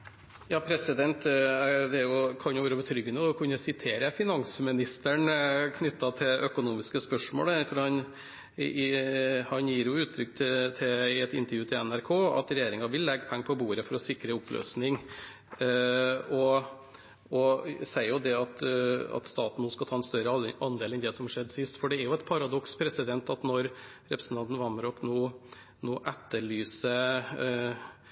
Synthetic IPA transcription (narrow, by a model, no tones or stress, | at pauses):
jɑːpʰɾɛsɪd̪ɛnt̪d̪ɛæɾjʊkʰɑnjʊʋøːɾəbət̪ʰɾʏɡːənəɔɔkʰʉnːəsɪt̪ʰeːɾəfɪnɑŋsəmɪnɪst̪əɳkʰnʏt̪ːɑt̪ʰɪʔœkʊnuːmɪskəspœʂmo̰ːlæɾfɔɾhɑn | hɑnjiːɾjʊʉːt̪ʰːɾʏkːt̪ʰɪt̪ʰɪɛt̪ɪnt̪əɾjʉːt̪ʰɪɛnæɾkʰoːɑ̰t̪ɾɛjeːɾɪŋɑʋɪlːɛɡːəpʰɛŋːəpʰɔbuːɾəfɔɾɔsɪkːɾəʊplø̰ːsnɪŋ | ɔ | ɔsæɪjʊd̪ɛɑt̪ɑ̰t̪st̪ɑːt̪n̩oskɑt̪ʰɑːɛnst̪œɾəɑnd̪eːlɛnd̪ɛsɔmhɑʂɛd̪ːsɪst̪fɔɖɛæɾjʊɛt̪pʰɑɾɑd̪ɔkspʰɾɛsɪd̪ɛnt̪ɑt̪nɔɾ | ɾɛpɾəsən̩ʰɑnt̪n̩ʋɑmɾɔknoː | noːʔɛt̪ːəɭyːsə